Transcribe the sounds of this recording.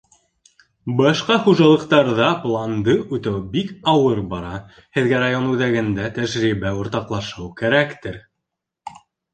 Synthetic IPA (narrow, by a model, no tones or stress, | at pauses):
bɑʃqɑχuʒɑlˠɤ̆qt̪ɑɾðɑplˠɑnd̪ɤʔʉt̪æwbikɑwɤɾbɑɾɑ | hɘ̆ðɡæɾajonʉðæɡɘ̆nd̪æt̪æʒɾiβæŏɾt̪ɑqlˠɑʃɤwkæɾækt̪ɘɾ